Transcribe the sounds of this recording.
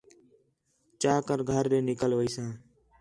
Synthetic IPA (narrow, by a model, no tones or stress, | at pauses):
t͡ʃaːkəɾɡʱəɾdẽːnɪkəlʋəiːsãː